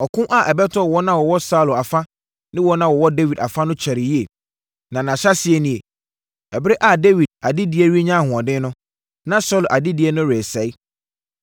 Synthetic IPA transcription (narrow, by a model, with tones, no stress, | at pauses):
ɔ˨kʰʊ̃˦ʔa˦˨ʔɛ˨bɛ˦tʰɔ˦˨wɔ˦nã˦wɔ˨wɔ˦sa˦˨la˨fa˦ | nɪ̃˦wɔ˦nã˦wɔ˨wɔ˦de˦wi˨da̰˨fa˦nʊ̃˦t͡ɕʰɛ˨ɾɪ˨ji˦e˨ | nã˨nã˨ɕa˦sɪ˨ɛ˦nĩ˨e˨ | ɛ˨bɪ˦ɾe˦ʔa˨de˦wi˨d̚a˨dɪ˦di˨˦e˦ɾi˦e˦ɲã˦˨hʊ̃˨ã˨dɪ̃˦nʊ̃˦ | nã˦sɔ˦˨lʔa˨dɪ˦di˨ɛ˦nʊ̃˦ɾe˨sɛ˨˦i˦